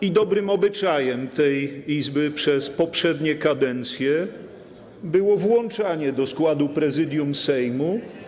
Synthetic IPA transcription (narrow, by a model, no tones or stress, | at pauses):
id̪ɔbɾɘmɔbɘt͡ʂajɛmt̪ɛjizbɘpʂɛspɔpʂɛd̪ɲɛkad̪ɛnt̪sʲjɛ | bɘwɔvwɔnt͡ʂaɲɛd̪ɔskwad̪upɾɛzɘd̪ʲjumsɛjmu